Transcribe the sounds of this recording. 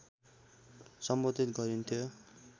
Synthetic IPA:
sʌmbʌt̪it̪ɡʌɾunt̪ʰjo

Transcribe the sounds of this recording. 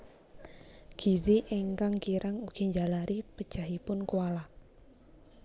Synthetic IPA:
ɡ̥i̤ziʔɛŋkaŋkiɾʔaŋuɡ̥i̤ɲd͡ʒalaɾʔipəd̥ʒ̥aɦipʊnkuwala

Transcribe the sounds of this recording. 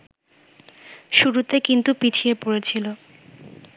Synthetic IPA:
ʃuɾut̪ekint̪upit͡ɕʰiepoɾet͡ɕʰilo

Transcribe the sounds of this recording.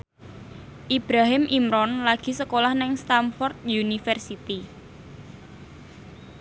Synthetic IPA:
ʔib̥ɾaɦɪmʔimɾɔnlaɡ̥i̤səkolahnɪŋst̪amfɔrt̪̚junifərsit̪i

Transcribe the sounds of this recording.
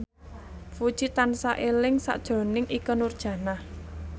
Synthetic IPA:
fud̥ʒ̥it̪ansaʔelɪŋsa̰ʔd̥ʒ̥ɾo̤nɪŋʔikənurd̥ʒ̥a̤nah

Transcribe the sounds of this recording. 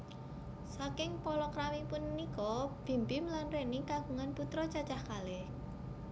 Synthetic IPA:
sakɪŋpɔlɔkɾamipʊnːnikɔb̥i̤mbɪmlanrenikaɡ̥ṳŋanput̪ɾɔt͡ʃat͡ʃahkalɛh

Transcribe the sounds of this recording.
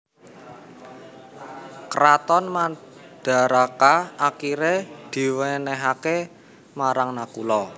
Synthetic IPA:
kɾat̪ɔnmad̪̥a̤ɾakaakiɾed̪̥i̤wɛnɛɦake | maɾaŋnakṵlɔ

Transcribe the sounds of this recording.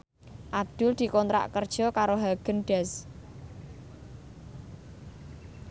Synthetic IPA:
ʔad̪̥ʊ̤ld̪̥i̤kɔnt̪ɾa̰ʔkərd̥ʒ̥ɔ̤kaɾoɦaɡ̥ənɖ̥ɛs

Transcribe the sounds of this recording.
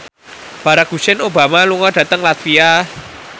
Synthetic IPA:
b̥ä̤ɾak̚ɡ̥ṳsɪnoba̤maluŋɔɖ̥ä̤t̪əŋlat̪fia

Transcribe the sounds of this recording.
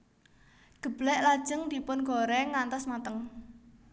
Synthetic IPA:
ɡ̥ə̤blɛʔlad̥ʒ̥ə̤ŋd̪̥i̤pʊnɡɔɾɛŋant̪ɔsmat̪əŋ

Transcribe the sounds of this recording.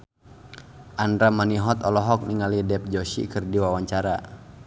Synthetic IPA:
ʔandɾamaniɦɔt̪ɔlɔɦɔk̚niŋalidɛp̚d͡ʒɔʃḭkɨrdiwawaɲt͡ʃaɾa

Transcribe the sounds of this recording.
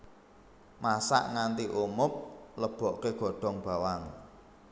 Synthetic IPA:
masa̰ʔŋant̪iʔumʊp̚ləb̥ɔ̤ʔkeɡ̥ɔ̤ɖ̥ɔ̤ŋb̥a̤waŋ

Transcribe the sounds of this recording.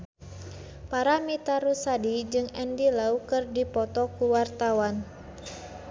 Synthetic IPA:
paɾamit̪aɾusadid͡ʒɨŋɛndilaukɨrdipɔt̪ɔkuwart̪awan

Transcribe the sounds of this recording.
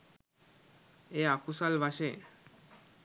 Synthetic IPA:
eakusalʋaɕe

